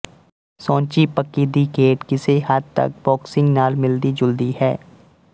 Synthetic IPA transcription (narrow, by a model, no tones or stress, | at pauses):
sõːt͡ʃipəkːiːd̪ikeːʈkɪseɦad̪̚t̪ɐ̰k̚bɔːksɪ̃ŋɡnaːlmɪld̪id͡ʒʊld̪ihɛː